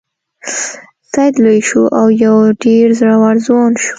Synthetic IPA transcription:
sajd̪lojʃuʔawjawɖeɾzɾawaɾzwɑnʃu̥

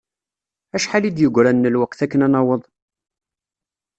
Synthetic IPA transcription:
æʃħalid̪jəɡʷɾænːəlwæqθækːənænɑwəðˤ

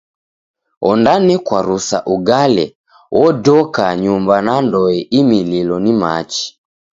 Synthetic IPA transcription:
ɔndanɛkwaɾusa̰ʔuɡalɛ̰ | wʔɔdɔkaɲumbanandɔɛʔimililɔnima̰t͡ʃi̥

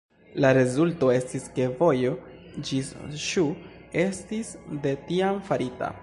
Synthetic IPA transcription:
laɾe̞zulto̞e̞stiske̞vo̞jo̞d͡ʒisʃu | e̞stisde̞tiamfaɾita̰

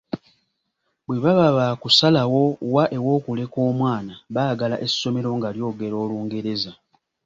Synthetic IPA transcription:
bwe̞βaβaβakusalawo̞waʔe̞wo̞ːkule̞ko̞ːmwaːnaβaːɡalaʔeso̞me̞ɾo̞ŋɡaljo̞ːɡe̞ɾo̞ːluːŋɡe̞ɾe̞za

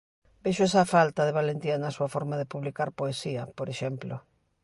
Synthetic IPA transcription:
beʃoesafalt̪ɐðeβalent̪janasuɐfɔɾmaðepuβlikaɾpoesiɐpoɾeʃɛmplo

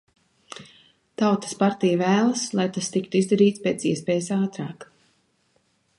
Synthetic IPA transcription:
t̪awt̪ɨ̥spaɾt̪ijavæːlˠaslˠajt̪ast̪ikt̪uizd̪aɾiːt̪speːt̪siɛspeːjsaːt̪ɾaːk

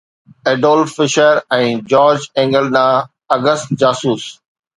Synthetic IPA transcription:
eːɖoːlfɪʃəɾɛ̃ːd͡ʑɔːɾd͡ʑɛ̃ːŋɡəlnãː | ɐɡəst̪d͡ʑaːsuːs

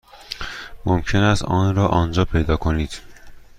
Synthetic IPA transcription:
momcʰe̞næst̪ɒːnɾɒːʔɒːnd͡ʒɒːpʰejd̪ɒːkʰo̞niːd̪̥

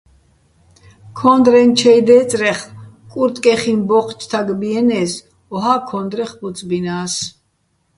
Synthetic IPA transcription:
kʰɔnd̪ɾɛnt͡ʃʰɛjd̪ɛːt͡sʼɾɛχ | kʼuɾt̪ʼkʼɛχinbɔqʰʼt͡ʃʼʰt̪ʰaɡbiɛnɛːs | ɔɦakʰɔnd̪ɾɛχbut͡sʼbinaːs

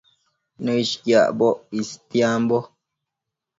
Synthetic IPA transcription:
nɔiʃkja̰ʔbɔʔistjambɔ

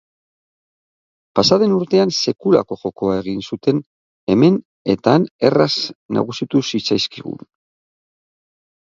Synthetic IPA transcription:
pasaðe̞nuɾt̪e̞anse̞kula̰ko̞ʝo̞ko̞ae̞ɣ̞insut̪e̞n | e̞me̞n | e̞t̪ane̞rasna̰ɣusit̪usit͡sajskiɣṵn

